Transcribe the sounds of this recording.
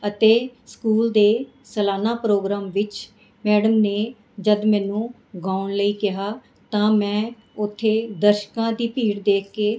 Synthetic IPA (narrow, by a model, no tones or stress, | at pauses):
ət̪eːskuːld̪eː | səlaːnaːpɾoːɡɾaːmʋɪt͡ʃ | mɛːɽəmneː | d͡ʒəd̪mɛ̃ːnũː | ɡaːʊɳləiːkɪɦaː | t̪ãːmɛ̃ː | ʊt̪ʰːeːd̪əɾʃkãːd̪iːpiːɽd̪eːkkeː